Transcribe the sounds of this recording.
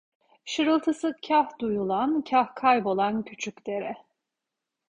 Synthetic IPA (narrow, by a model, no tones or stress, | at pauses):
ʃɯɾɯlˠt̪ʰɯsɯcʰahd̪ujulˠancʰahkʰajbo̞lˠancʰyt͡ʃʰycʲd̪e̞ɾɛ